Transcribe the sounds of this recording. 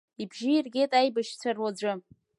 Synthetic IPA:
ibʒɪirɡʲe̞jtʼajbaʃt͡sʷʰarwad͡zʷʊ

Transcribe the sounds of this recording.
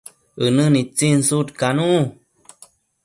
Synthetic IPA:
ənənit͡sinsutkanũʔ

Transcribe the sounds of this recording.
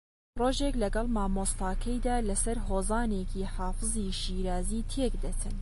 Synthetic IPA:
roːʒeklɐɡɐlˠmɑːmoːst̪ɑːkʰɐjd̪aːlɐsɐɾɦoːzɑːneːkiːħɑːfɨziʃiːɾaːziːt̪ʰeːkd̪ɐt̪ʰɨn

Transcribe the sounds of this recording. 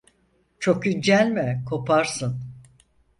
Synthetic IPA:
t͡ʃʰo̞kyd͡ʒælʲmɛkʰo̞pʰaɾsɯn

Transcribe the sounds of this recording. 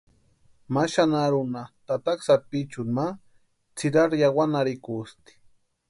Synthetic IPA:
maʃanaɾʊnat̪at̪aksapit͡ʃʊma | t͡sʰɪɾaɾjawanaɾɪkust̪i̥

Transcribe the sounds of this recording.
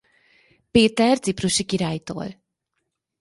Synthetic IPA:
peːt̪ɛrt̪sipruʃikiɾaːjt̪o̰ːl

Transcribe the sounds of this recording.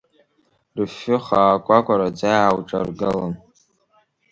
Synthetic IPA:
rfːʊχaːkʷʼakʷʼaɾad͡zajawʈ͡ʂʼa̰rɡɨlan

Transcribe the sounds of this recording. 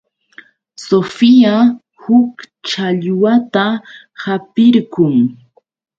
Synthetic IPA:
sofia | hʊk | t͡ʃaʎwat̪a | hapɪɾkʊŋ

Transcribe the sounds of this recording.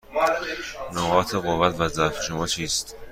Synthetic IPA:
noɣɒːt̪ʰeɣovːæt̪ʰvæzæɾfe̥ʃomɒːt͡ʃʰiːst̪

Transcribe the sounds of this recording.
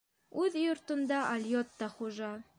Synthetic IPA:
ʉðjŏɾt̪ŏnd̪ɑʔɐlʲjot̪ːɑχuʒɑ

